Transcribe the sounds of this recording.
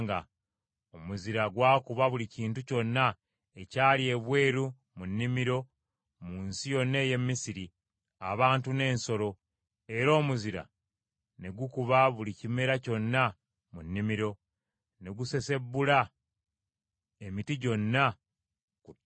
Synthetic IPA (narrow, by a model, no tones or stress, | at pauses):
ŋɡa̰ | omuziɾaɡwaːkuβaβuliciːntuco̞nːa | e̞caːlie̞βwe̞ːɾu | munːimiɾo̞ | muːnsijo̞nːe̞ːje̞mːisiɾi | aβaːntune̞ːnso̞ɾo̞ | e̞ɾo̞ːmuziɾa̰ | ne̞ɡukuβaβulicime̞ɾaco̞nːa | munːimiɾo̞ | ne̞ɡuse̞se̞bːula | e̞mitiɟo̞nːa | ku